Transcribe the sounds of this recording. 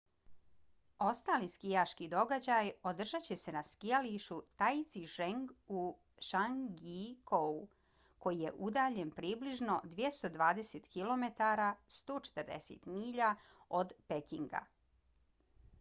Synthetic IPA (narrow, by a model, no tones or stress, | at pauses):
o̞st̪aːliskijaʃkid̪o̞ɡad͡ʑajod̪r̩ʒat͡ɕe̞se̞naskijaliʃut̪ait̪siʃeŋɡu | ʃaŋɡikʰou | ko̞jije̞ʔud̪aːʎe̞npɾiːbliʒno̞d̪ʋje̞st̪o̞d̪ʋaːd̪eset̪kilo̞me̞t̪aɾast̪o̞ːt͡ʃe̥t̪əɾd̪ḛsḛt̪miːʎa | o̞d̪pekiŋɡa̰